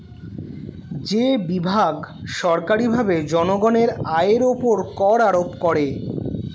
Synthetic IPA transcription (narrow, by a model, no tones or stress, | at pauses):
d͡ʑebibʱaɡʃɔɾkaɾibʱabed͡ʑɔnoɡɔneɾaeɾopoɾkɔɾaɾopkɔɾe